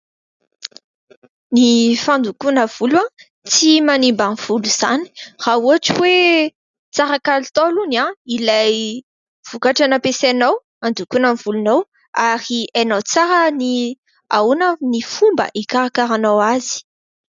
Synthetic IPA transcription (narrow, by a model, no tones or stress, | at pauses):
nifand̪ukunəv̥ulwa | t͡simanimbamv̥uluz̥ani̥r̥auaʈ͡ʂiwe | t͡saɾakalut̪olunãilaj | v̥ukaʈ͡ʂanapesanaw | and̪ukunənv̥ulunaw | aɾianawt͡saɾəni | aunənifumbə̰ʔikaɾakaɾanawazi̥